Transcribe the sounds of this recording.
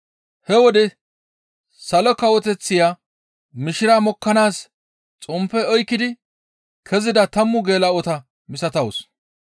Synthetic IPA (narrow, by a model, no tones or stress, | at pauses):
hɛwɔd̪ɛ | sɐlɔkɐwɔt̪ɛt͡sːɪjaː | mɪʃɪɾaːmɔkːɐnaːs | t͡sʼʊmpːɛɔjkːɪd̪ɪ | kʰɛzɪd̪ɐt̪ɐmːʊɡe̞ːlɐɔt̪ɐ | mɪsɐt̪ɐwʊs